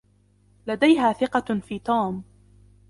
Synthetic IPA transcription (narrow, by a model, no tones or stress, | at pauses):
lad̪ajɦaːθɪqɑfiːt̪uːm